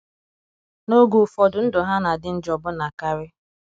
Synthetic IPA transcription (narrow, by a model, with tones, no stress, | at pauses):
no˦ɡu˨fɔ˨dʊ˨n̩˦dʊ˨ɦa˦na˨dɪ˨n̩˦d͡ʒɔ˨bʊ˦na˨ka˦ɾɪ˦